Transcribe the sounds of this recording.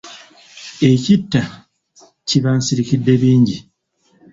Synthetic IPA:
e̞citːa | ciβaːnsiɾikidːe̞βiːɲɟi

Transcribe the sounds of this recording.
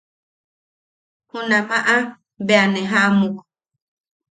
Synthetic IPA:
hũnãmaʔa | beanɛ̃ɦamũk

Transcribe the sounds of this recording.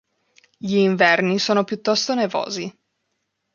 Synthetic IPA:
ʎiːɱvɛrnisoːnopjut̪ːɔst̪onevo̰ːzi

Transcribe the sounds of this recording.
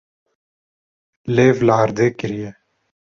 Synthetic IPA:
leːʋlaːɾd̪eːkɪɾije

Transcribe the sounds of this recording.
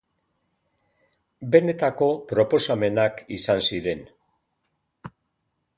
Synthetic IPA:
be̞ne̞t̪ako̞pɾo̞po̞same̞nakisansiɾe̞n

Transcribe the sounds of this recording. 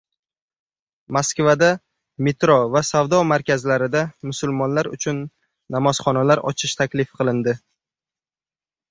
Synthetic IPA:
maskvad̪a | met̪ɾɔvasavd̪ɒmaɾkʲazlaɾɪd̪amʊsʊlmɒnlaɾʊ̰t͡ʃʰʊnː | amɒzχɒnalaɾɒ̰t͡ʃʰɪʃt̪ʰakʲlɪfqʰɨlˠɪnd̪ɪ

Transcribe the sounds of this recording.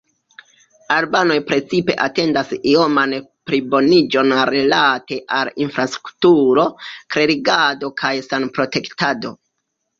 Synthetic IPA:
albano̞jpɾe̞t͡sipe̞̰ʔate̞ndasio̞manpɾibo̞nid͡ʒo̞nɾe̞late̞ʔalinfɾastɾu̥ktuɾo̞kɾe̞ɾiɡado̞kʰajsanpɾo̞te̞ktado̞̰

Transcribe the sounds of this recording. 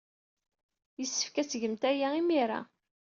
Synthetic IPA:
jəsːə̥fkæsəʝəmt̪æjæimiɾa̰

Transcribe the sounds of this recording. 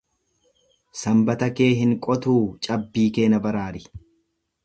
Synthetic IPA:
sɐmbɐt̪ɐkeːɦɪŋkʼɔt̪uːt͡ʃʼɐbːiːke̞ːnɐbɐɾaːɾɪ

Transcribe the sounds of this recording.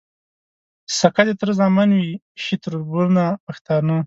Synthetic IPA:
sakad̪et̪ɾəzɑmanwi | ʃit̪ɾuɾbuɾnapaxt̪ɑnə

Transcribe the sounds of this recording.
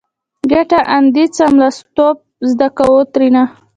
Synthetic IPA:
ɡaʈaʔand̪it͡samlast̪op̚zd̪akawot̪ɾina

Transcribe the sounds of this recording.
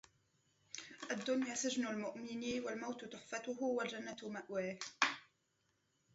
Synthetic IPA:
ʔad̪ːʊnjaːsɪd͡ʒnʊlmʊʔmɪniːwalmawt̪t̪ʊħfat̪ʊɦʊwald͡ʒanːamaʔwaːh

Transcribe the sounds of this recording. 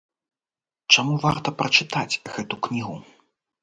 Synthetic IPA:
t͡ʂamuvart̪ɐpɾɐt͡ʂɨt̪at͡sʲɣɛt̪uknʲiɣu

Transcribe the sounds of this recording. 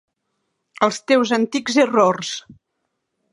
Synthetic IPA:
əlˠst̪ewzənt̪ikzərors

